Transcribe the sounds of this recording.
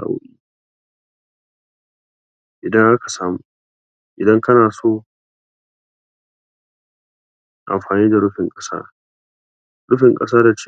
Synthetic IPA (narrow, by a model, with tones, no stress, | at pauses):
a̰˨ʊ̰˦ʔiː˦ | ʔɪ˨dɐ˦ŋʔa˦ka˨saː˦muː˨˦ | ʔɪ˨dɐ˦ŋkɐ˦naː˨soː˦˨ | ʔa̰˨mɸaː˨niː˦da˨ɽʊ˦ɸɪ˨ŋkʼɐ̥˦sa̰ː˦ | ɾʊ˦ɸɪ˨ŋkʼɐ˦s̬aː˦da˨t͡ʃː